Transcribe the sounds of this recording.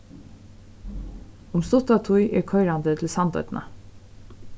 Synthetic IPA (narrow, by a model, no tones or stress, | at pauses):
ʊmst̪ʊt̪at̪ʰʊjʔɛ̰ɹkʰœʏɾand̪ət̪ʰɪlsant̪œ̰d̪nʔa̰